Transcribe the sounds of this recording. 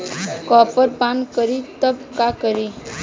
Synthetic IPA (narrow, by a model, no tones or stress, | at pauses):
kɔpəɾpankəɾit̪əbkakəɾi